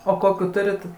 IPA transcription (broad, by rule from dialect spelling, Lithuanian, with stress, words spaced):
oː ˈkoːkʲuː ˈtʊrʲɪt